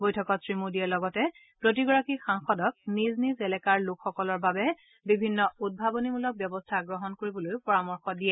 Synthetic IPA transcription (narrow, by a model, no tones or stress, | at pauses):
bojtʰɔkɔtsɹimudiɛlɔɡɔtɛ | pɹot̬iɡɔɹakixaŋxɔdɔk̚niznizɛlɛkaɹlʊkxɔkɔlɔɹbabɛ | bibʱinːɔud̚bʱabɔnimulɔk̚bjɔbɔstʰaɡɹɔɦɔnkoɹibɔlojpɔɹamɔɹxɔdijɛ